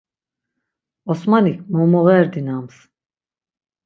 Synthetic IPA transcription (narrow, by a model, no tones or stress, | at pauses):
ɔsmanikʰmɔmɔʁɛɾd̪inams